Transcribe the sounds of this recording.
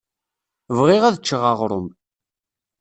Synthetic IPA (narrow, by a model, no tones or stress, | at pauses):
vʁɪʁæðət͡ʃːəʁɑʁɾˤə̰m